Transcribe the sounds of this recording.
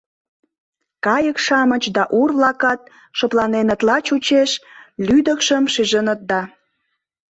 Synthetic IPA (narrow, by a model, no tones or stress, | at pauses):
kɑjəkʃɑmət͡ɕd̪ɑʔurβlɑkɑt̪̚ | ʃoplɑnenə̆t̪lɑt͡ɕut͡ɕeʃlyd̪əkʃəmʃiʒənət̪̚d̪ɑ